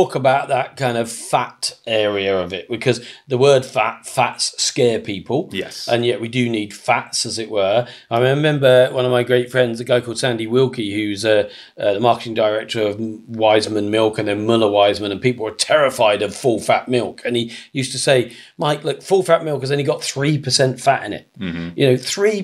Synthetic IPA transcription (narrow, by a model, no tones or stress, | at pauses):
ɔˑkəbaʊʔ̪̚ðəʔ̚kʰãɪ̃ndʌv̥fatɛɹiəʌvɪʔ̚b̥ɨkʰʌzðəwɜ˞d̥fatfatsskɛːpʰiˑpʰəl̩ˠjɛʔə̃njɛʔwidɨniːd̥fatsəzɪʔwə˞aɪ̃ɹɪmɛ̃mbəwʌ̃nʌvmaɪɡɹeɪtfɹɛ̃ndzɨɡaʊkʰɔlˠd̥sæ̃ndiwɪlˠɡihʉzʌ | ʌðəmɑˑkətɪ̃ŋdəɪɹɛk̚tʰə˞ʌvwaɪzmə̃nmɪlˠkɨ̃nðəmʌləwaɪzmə̃ñə̃npiˑpl̩ˠə˞tʰɛɹɪfaɪɾʌv̥fʊlˠfa̰ʔmɪlˠkʰɨ̃nijʉˑstəseɪ | maɪklʊkfʊlˠfaʔ̚mɪlˠkɨzðɨ̃niɡɒt̪θɹipʰəsɛ̃ntfatɪ̰̃nɪ̰t̚jɨnoʊθɹi